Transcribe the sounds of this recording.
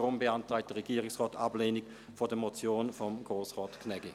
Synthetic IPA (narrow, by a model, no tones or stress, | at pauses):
ʁʊmbəantʁaɪk̚td̥əɐʁeɡiːʁɪksʁaːta̰bleːnɪk | fodəɐmot͡sjoːnfɔmɡ̥ʁoːsʁaːtkʰnɛɡɪ